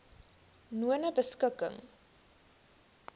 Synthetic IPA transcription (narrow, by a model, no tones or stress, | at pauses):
nuənəbəskəkə̰ŋ